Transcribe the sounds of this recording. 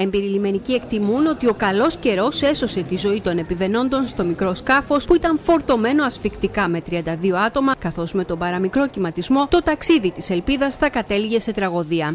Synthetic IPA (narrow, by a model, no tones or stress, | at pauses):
e̞mbiɾilime̞nicie̞kt̪imuno̞t̪io̞kɐlo̞sce̞ɾo̞se̞so̞se̞t̪izo̞it̪o̞ne̞pive̞no̞nd̪o̞nst̪o̞mikɾo̞skɐfo̞spuit̪ɐɱfo̞ɾt̪o̞me̞no̞ɐsfikt̪ikɐme̞t̪ɾiɐnd̪ɐðio̞ɐt̪o̞mɐkɐθo̞zme̞t̪o̞bɐɾɐmikɾo̞cimɐt̪izmo̞t̪o̞t̪ɐksiðit̪ise̞lpiðɐsθɐkɐt̪e̞liʝe̞se̞t̪ɾɐɣo̞ðiɐ